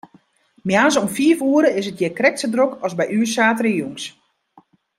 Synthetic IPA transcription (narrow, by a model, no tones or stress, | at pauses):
mjaːnsɔmfiəfuəɾəɪsət̚jɛkrɛk̚sədrokɔzbɛjyːsaːtərəjuŋs